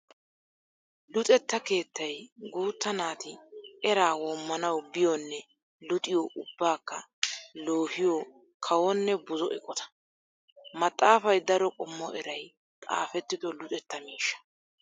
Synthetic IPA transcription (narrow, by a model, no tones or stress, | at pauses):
lʊt̪ʼɛt̪ːɐke̞ːt̪ːɐjɡuːt̪ːɐnaːt̪ɪɛɾaːwɔmːɐnɐwbɪjɔnːɛ | lʊt̪ʼɪjɔʔʊbːaːkːɐloːhɪjo | kʰɐwɔnːɛbʊzɔʔɛkʼɔt̪ɐ̥ | mɐt̪ʼːaːfɐjd̪ɐɾɔkʼɔmːɔʔɛɾɐj | t̪ʼa̰ːfɛt̪ːɪd̪ɔlʊt̪ʼɛt̪ːɐmiːʃːɐ̥